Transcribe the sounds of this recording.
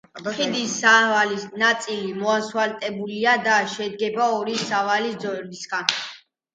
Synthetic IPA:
χʰid̪isavalisnat̪sʼilimɔaswalt̪ʼɛbuliad̪aʃɛd̪̚ɡɛbaɔɾisavalid̪zɔɛbisɡan

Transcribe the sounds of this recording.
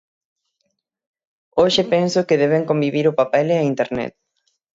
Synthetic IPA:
oʃepensʊkeðɛβeŋkõmbiβiɾʊpapɛleɐint̪eɾnɛ̰t̪̚

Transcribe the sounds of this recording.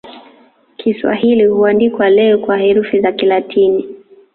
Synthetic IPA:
kʰiswa̰ɦilihuandikwalɛɔkwahɛɾufizakilatʰini

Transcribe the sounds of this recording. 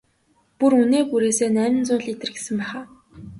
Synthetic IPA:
puruneːkuɾeːseːnæːmɪ̆nt͡sʊːɮit̪ɘ̆rɡe̥sɘ̆mpæːχaː

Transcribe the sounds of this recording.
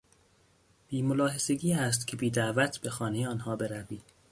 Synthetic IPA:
b̥iːmolɒːɦe̞se̞ɟiːæst̪cʰe̞biːd̪æʔvæt̪ʰb̥e̞xɒːnejeɒːnhɒːbe̞ɾæviːd̪̥

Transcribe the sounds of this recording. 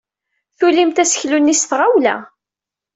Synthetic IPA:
θulimt̪æsə̥çlunːisθʁawlæ̰

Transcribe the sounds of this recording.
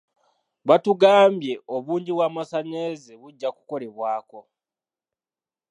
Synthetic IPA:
βatuɡaːmbje̞o̞βuːɲɟiβwaːmasaɲe̞zeβuɟːaku̥ko̞le̞βwaːko̞

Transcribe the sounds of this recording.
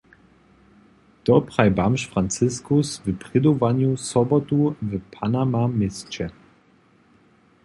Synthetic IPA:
d̥ɔpʁ̥ajbamʃfʁant͡sɪskʊsvəpʁ̥ɪd̪ovanjusɔbɔtuvəpʰanamamɪst͡ɕɛ

